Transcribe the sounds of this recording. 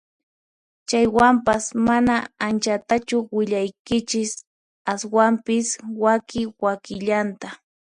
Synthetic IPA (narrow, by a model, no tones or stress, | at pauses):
t͡ʃajwampasmanaant͡ʃat̪at͡ʃʊwɪʎajkɪt͡ʃɪs | aswampɪswakɪwakɪʎant̪a